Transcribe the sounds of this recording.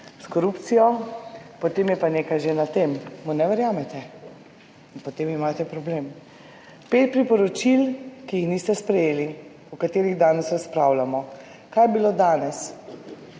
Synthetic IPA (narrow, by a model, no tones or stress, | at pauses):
skɔɾupt̪sijɔpɔt̪eːmjɛpaneːkajʒenat̪emːunɛʋɛɾjaːmɛt̪ɛ | inpɔt̪eːmimaːt̪ɛpɾɔbleːm | peːt̪̚pɾipɔɾɔt͡ʃilkijixnist̪ɛspɾɛjeːli | ɔkat̪eːɾiɣd̪aːnɛsɾaspɾawlamɔ | kaːjɛbiloːd̪aːnɛs